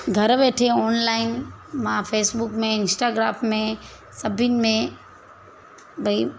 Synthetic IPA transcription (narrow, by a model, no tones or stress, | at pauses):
ɡʱɐɾʋeːʈʰeɔːnlaːɪnmãfʰeːsbʊkmẽɪnsʈaːɡɾaːmmẽ | sɐbʱinmẽ | bʱɐi